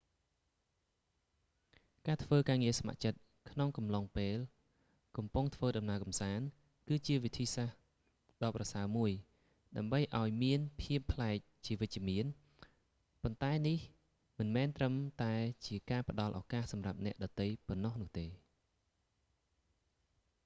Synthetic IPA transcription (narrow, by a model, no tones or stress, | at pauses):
kaːt̪ʰʋəːkaːŋiəsama̰ʔt͡ɕət̪̚ | kʰnoŋkɑmloŋpeːl | kɑmpuŋt̪ʰʋəːɗɑmnaəkɑmsaːn | kɨːt͡ɕiəʋit̪ʰiːsah | ɗɑːprɑsaəmuəj | ɗaəmɓəjʔaɔjmiənpʰiəpʰːlaɛk̚t͡ɕiəʋɨc̚t͡ɕə̆əmiən | pont̪aɛnih | mɨnmɛːnt̪rəmt̪aɛt͡ɕiəkaːpə̆ɗɑlʔɑːkaːhsɑmrap̚nɛ̆əʔɗɑt̪ɨjponːohnʊ̆əht̪eː